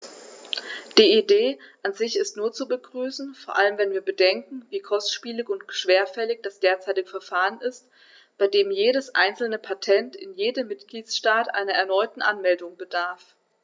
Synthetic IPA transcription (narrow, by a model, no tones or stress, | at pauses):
d̥iːideːʔanzɪçɪstnuːɐt͡subəɡʁyːsn̩foːɐʔaləmvɛnviːɐbədɛŋkŋ̩viːkʰɔstʃpiːlɪçʊntʃv̥eːɐfɛlɪç̚d̥asd̥eːɐt͡saɪtɪɡəfɛɐfaːʁənɪst | b̥aɪdeːmjeːɾəsʔa̰ɪnt͡sl̩nəpʰatʰɛntɪ̰njeːdəmːɪtɡ̥liːtsʃtaːtʔa̰ɪnɐɛɐnɔʏtn̩ʔanmɛldʊŋbədaɐf